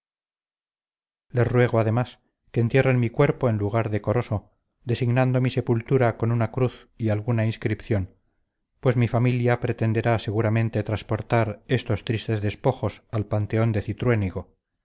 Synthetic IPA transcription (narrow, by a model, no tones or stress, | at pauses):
le̞srwe̞ɣ̞oaðe̞mas | keːnt̪je̞renmikwe̞ɾpo̞e̞nluɣ̞aɾðe̞ko̞ɾo̞so̞ | d̪esiɣnand̪o̞mise̞pult̪uɾako̞nunakɾuθ | ialɣunainskɾipθjo̞n | pwe̞zmifamiljapɾe̞t̪e̞nd̪e̞ɾase̞ɣuɾamẽ̞nt̪e̞t̪ɾaspo̞ɾt̪aɾe̞st̪o̞st̪ɾist̪e̞zðe̞spo̞xo̞salpant̪eo̞nd̪e̞θit̪ɾwe̞niɣo̞